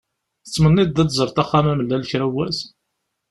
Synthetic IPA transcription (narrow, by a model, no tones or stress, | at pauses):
θət͡sːmənːid̪ːæd̪zəɾˤt̪æχːamæməlːælçɾæwæs